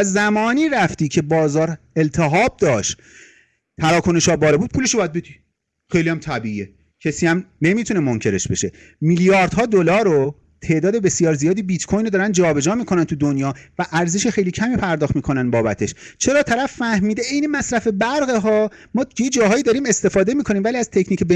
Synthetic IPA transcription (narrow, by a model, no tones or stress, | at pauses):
æzæmɒːniːɾæft̪iːcʰe̞bɒːzɒːɾelt̪ʰeɦɒːb̚d̪ɒːʃ | t̪ʰæɾɒːkʰoneʃɒːbɒːlɒbuːd̪̚pʰuːleʃobɒjæd̪̚be̞d̪i | xejliæmt̪ʰæbiie | cʰesiːæmne̞mit̪ʰune̞moŋcʰe̞ɾe̞ʃbe̞ʃe̞ | miljɒːɾd̪̥ɦɒːd̪olɒːɾo | t̪ʰe̞ːʔd̪ɒːd̪e̞be̞sijɒːɾzijɒːd̪iːbit̪kʰojnod̪ɒːɾænd̪d͡ʒɒːbe̞d͡ʒɒːmiːkʰo̞nænt̪ʰud̪onjɒːvæʔæɾze̞ʃexejliːcʰæmiːpʰæɾd̪ɒːxt̪miːkʰo̞nænbɒːbæt̪ʰe̞ʃt͡ʃʰe̞ɾɒːt̪ʰæɾæfːæhmiːd̪eejnemæsɾæfe̞bæɾɣeɦɒː | mɒːjed͡ʒɒːɦɒːjiːd̪ɒːɾiːme̞st̪e̞fɒːd̪e̞miːkʰo̞nimvæliæz̥t̪ʰe̞cʰniːcʰebe